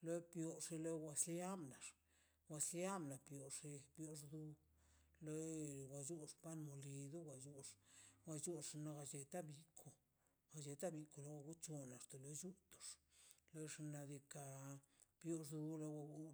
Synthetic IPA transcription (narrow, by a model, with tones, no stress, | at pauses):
lo˦pjo˧ʂi˧lo˦wʷa˧slja˦mna˨ʂ | wʷa˧slja˦mna˨pjo˨ʂi˧pjo˧ʂd̪u˧ | lo˦˨ɡa˨d͡ʒu˦ʂpa˦nmo˨li˧d̪o˦wa˧˨d͡ʒu˦ʂɡa˧d͡ʒu˦˧ʂno˧ɡa˧d͡ʒe˧t̪a˦bi˧˨kʰo˨ | ɡa˨d͡ʒe˧t̪a˦bi˧ko˨lo˦wa˧ɡu˦t͡ʃo˧na˨ʂt̪o˨lo˧˦d͡ʒu˦t̪o̥˨ʂlo˦ʂna˧d̪i˧ka˧ | pjo˧ʂ̬d̪u˧lo˦wa˧u˦